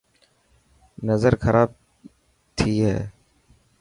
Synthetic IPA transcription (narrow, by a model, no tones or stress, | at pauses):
nəzəɾxəɾʔaːb̚ | t̪ʰiːɦɛː